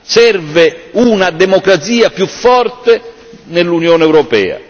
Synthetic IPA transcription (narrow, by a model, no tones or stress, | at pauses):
sɛrvɪunad̪ɛmɔkɾat̪siːapjufːɔrt̪e | nelːunjɔːnɛwɾɔpɛ̰ːa̰